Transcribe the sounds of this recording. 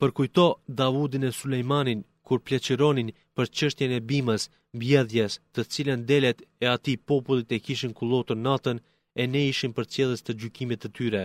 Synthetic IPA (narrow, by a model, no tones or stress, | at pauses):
pəɾkujt̪ɔd̪avud̪inɛsulɛjmanin | kuɾplɛt͡ɕəɾɔnin | pəɾt͡ʃəʃt̪jɛnɛbiməs | mbjɛðjɛst̪ət͡silənd̪ɛlɛt̪ɛat̪ipɔpulˠit̪ɛkiʃinkulˠɔt̪uɾnat̪ən | ɛnɛiʃinpəɾt͡sjɛlˠəst̪əd͡ʑykimit̪ːət̪yɾɛ